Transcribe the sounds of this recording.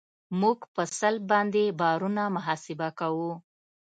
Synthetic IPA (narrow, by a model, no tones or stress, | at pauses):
muɡpəsal̚bɑnd̪ebɑɾunamʊɦɑsɪbakawu